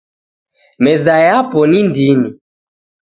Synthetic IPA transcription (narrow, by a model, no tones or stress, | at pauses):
mɛzajapɔnindini